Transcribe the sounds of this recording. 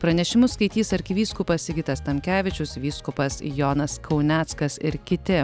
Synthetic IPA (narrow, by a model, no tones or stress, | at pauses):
pɾɐnʲɛʃʲɪmʊskɐɪt̪ʲiːsɐɾʲkʲɪʋʲiːskʊpɐsɪɡʲɪt̪ɐst̪ɐmʲkʲæːʋʲɪt͡ʃʲʊsʋʲiːskʊpɐsjoːnɐskʰɒʊnʲæːt̪skɐsɪɾkʲɪt̪ʲɪ